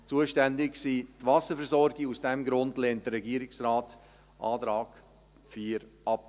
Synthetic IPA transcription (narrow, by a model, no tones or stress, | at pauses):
t͡suəʃtɛndɪksiːtvɑsəfɛɾzɔɾɡɪusd̥ɛmɡɾʊndlɛːnt̚d̥əɾɛɡiəɾɪksɾɑːt | ʔɑ̰ːtɾɑːɡ | fiːɾʔɑp̚